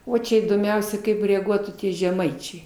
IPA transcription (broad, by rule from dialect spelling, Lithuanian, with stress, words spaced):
ˈoː ˈt͡ʃʲɛ iːdoːmʲˈɛʊsʲɛ kɐɪp rʲɛɐˈɡuɔtuː ˈtʲiɛ ʒʲɛˈmɐɪt͡ʃʲɛɪ